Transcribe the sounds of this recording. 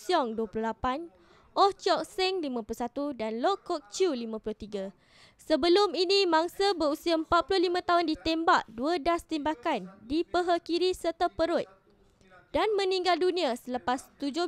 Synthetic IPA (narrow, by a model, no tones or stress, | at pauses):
siɔŋduaplʊhlapan | ʔɔht͡ʃɔk̚sɛŋlimãpulusat̪udanlɔkːɔk̚t͡ʃulimãpulʊht̪iɡa | səbəlʊminĩmãŋsabəusiaəmpat̪̚pulʊhlimãt̪aʊndit̪ɛmbaʔduadast̪ɛmbakandipəɦakiɾisərt̪apəɾʊt̪̚ | d̥anmə̃nĩŋɡaldunĩasələpast̪ud͡ʒʊ